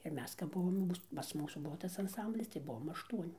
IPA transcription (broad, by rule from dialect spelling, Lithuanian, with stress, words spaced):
ɪr ˈmʲɛs kɐp ˈbʊʋoːm jɛʊ ˈmuːs pɐs ˈmuːsuː ˈbʊʋoː ˈtɐs ɐnˈsɐmʲbʲlʲɪs tɐɪ ˈbʊʋoːm ɐʃˈtuɔnʲɪ